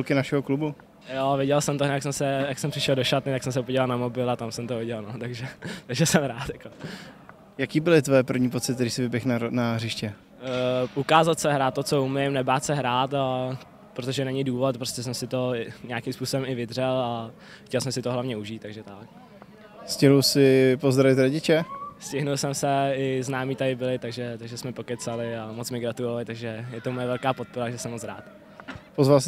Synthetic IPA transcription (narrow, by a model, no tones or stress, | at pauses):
ulkɪnaʃɛɦoklubu | jovɪɟɛlsɛmt̪ojaksɛmsɛjaksɛmpr̥ɪʃɛldoʃat̪nɪt̪aksɛmsɛpoɟɛlalnamobɪlat̪amsɛmt̪ovɪɟɛlnot̪aɡʒɛt̪aɡʒɛsɛmɾaːt̪jako | jakiːbɪlɪt̪vojɛpr̩vɲiːpot͡sɪt̪ːɛɾiːsɪvɪbjɛxnnarɪʃcɛ | ʔukaːzat̪sɛɦɾaːt̪ːot͡soumɪmnɛbaːt̪sɛɦɾaːt̪a | pɾot̪oʒɛnɛɲɪduːvot̪̚pɾoscʲɛsɛmsɪt̪o̞ɪɲaːkimspuːso̞bɛmɪvɪd̪r̝ɛla | xcɛlsɛmsɪt̪oɦlavɲɛuʒiːt̪ːaɡʒɛt̪ak̚ | scɪɦlusɪpozd̪ɾavɪt̪ɾoɟɪt͡ʃɛscɪɦnulsɛmsɛɪznaːmit̪adɪbɪlɪt̪aɡʒɛt̪aɡʒɛsmɛpo̞kɛt̪t͡salɪamot͡smɪɡɾat̪ulovalɪt̪aɡʒɛjɛt̪omojɛvɛlkaːpo̞t̪̚poɾaʒɛsɛmot͡sɾa̰ːt̪ | pozvals